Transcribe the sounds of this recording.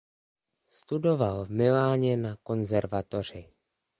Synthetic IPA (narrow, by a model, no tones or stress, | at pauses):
st̪udo̞valvmɪlaːɲɛnako̞nzɛɾvat̪o̞r̝ɪ